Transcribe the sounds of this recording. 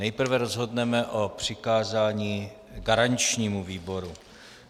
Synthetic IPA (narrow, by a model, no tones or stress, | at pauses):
ɛjpr̩vɛɾozɦo̞dnɛmɛʔopr̝̥ɪkaːzaːɲiː | ɡaɾant͡ʃɲiːmuviːbo̞ɾu